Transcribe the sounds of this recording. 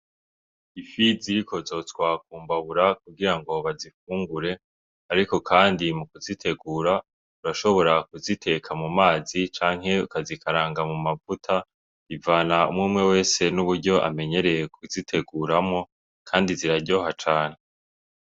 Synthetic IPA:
ifiziɾiko̞zo̞twaːk̚uːmbaβuɾak̚uɡiɾaŋɡo̞βazifuːŋɡuɾe̞ | aɾiko̞kʰaːndimukuzitʰe̞ɡuːɾa | uɾaʃo̞βo̞ɾakuzitʰe̞kʰamumaːzit͡ʃaːŋ̥ɦe̞ukazikʰaɾaːŋɡamumavutʰa | ivaːnaṵmŋuːmŋe̞we̞ːse̞nuβuɾɟo̞ʔa̰me̞ɲe̞ɾe̞jekʰuzitʰe̞ɡuːɾamo̞ | kʰaːndiziɾaɟo̞ːɦat͡ʃaːn̥e

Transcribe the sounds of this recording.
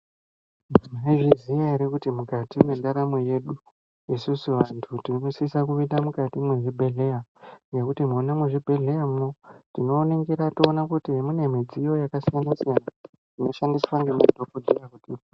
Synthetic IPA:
imaiʐizijaiɾekutimukatimwendaɾamoje̞ɗu | isusuʋantʰutiisisakuʋindamukatimweʐibʱe̞ɮe̞jaje̞kutimonamweʐibʱe̞ɮe̞jamunotino̞ːneŋɡiɾato̞ːnakutiɦemune̞mid͡zijo̞jakasijanasijana | tino̞ʃandiswaŋɡemadʱokudirakutiːpo

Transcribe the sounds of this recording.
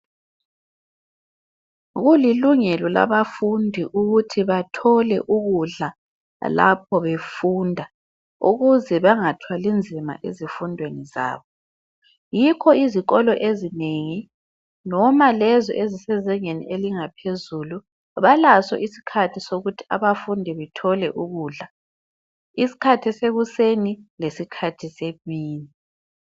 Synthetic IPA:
ɣuliluŋɛlɔla̰βafundʱiʔuɣutʰiβatʰɔlɛ̰ʔuɣuɮa | la̰p̚ʰɔβefundʱa | ṵɣuzɛβaŋatʰwalind͡zʱima̰ʔezifundʱweniza̰ːβɔ | jikʰɔiziɣɔlɔʔezineŋi | nɔmalɛzɔ̰ʔezisɛzɛŋenḭʔeliŋapʰezulu | βalasɔ̰ʔisi̥kʰatʰisoɣutʰi̥a̰βafundʱɛβɛtʰɔlɛʔuɣuːɮa | isi̥kʰatʰɛseɣusenilesikʰatʰisemiːni

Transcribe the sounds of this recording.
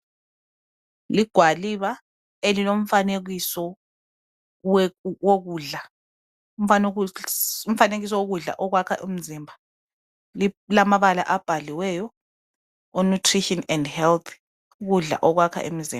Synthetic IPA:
liɡ̥ʱwaliβa | elilom̩faneɣisɔ | woɣuɮa | um̩fan | um̩faneɣis̬ɔwoɣuɮa̰ʔɔɣwakʰaʔem̩zimbʱa | lilamaβala̰ʔab̥ʱaliwɛːjɔ | onutʰriʃɔnɛndhɛlt̪ʰ | uɣuɮa̰ʔɔɣwakʰa̰ʔḛmizḭmba

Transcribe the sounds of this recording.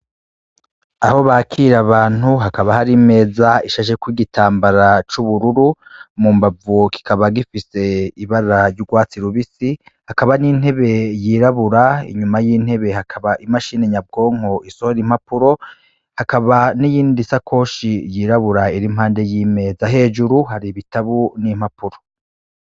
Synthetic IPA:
aho̞βakʰiɾaβaːn̥uɦakaβahaɾime̞ːzaiʃaʃekwiɡitʰaːmbaɾat͡ʃuβuɾuɾumumbavuki̥kaβaɡifise̞iβaɾɾaɾɟuɡwaːt͡siɾuβisi | hakaβanin̥he̞βe̞jiːɾaβuɾaḭɲumajiːn̥he̞βe̞hakʰaβaʔimaʃineɲab̚ɡo̞ːŋ̥o̞ʔisohoɾim̥hapuɾo̞ | hakaβanijiːndisakʰo̞ːʃijiɾaβuɾaiɾimhaːnde̞jiːme̞zaɦe̞ːd͡ʒuɾuɦaɾiβitaβunim̥apuɾo̞

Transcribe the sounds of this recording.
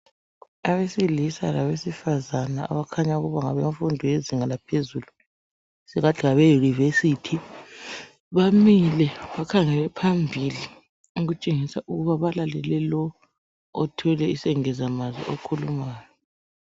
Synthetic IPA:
aβesilisa̰laβesifazanaa̰βakʰaɲauɣuβaŋaβeɱfundʱɔjeziŋalapʰezulu | siɣatʰiɣaβejunivesitʰi | βamilɛβakʰaŋɛlɛpʰambʱili | uɣut͡ʃʼeŋisaʔuɣuβaβalalɛlɛlɔ | ɔtʰɛlɛisɛŋɛzamazḭʔokʰulumaːjɔ

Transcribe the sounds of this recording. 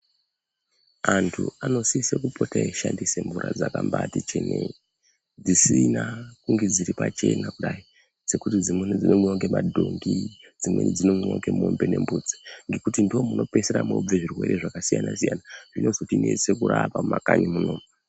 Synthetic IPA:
antʰuano̞sisekupo̞taeʃandiseɱvuɾad͡zakambatit͡ʃenei | d͡zisinakuŋɡe̞d͡ziɾipat͡ʃe̞nakuɗai | d͡ze̞kutid͡zimd͡zinomoŋɡemadʱoŋɡi | d͡zimwḛnid͡zinomoŋɡemombene̞mbuːd͡zi̥ŋɡe̞kutindiwo̞muno̞pe̞seɾamob͡veʐirwe̞ɾe̞ʐakasijanasijanaʐ̥ino̞zo̞tine̞se̞kuɾapammakanimunoːma

